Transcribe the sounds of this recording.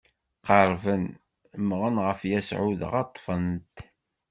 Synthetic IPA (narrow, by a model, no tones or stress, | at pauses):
qɑɾˤvən | əmʁənʁəfjæsʕʊðə̰ʁɑt̪ˤːfənt̪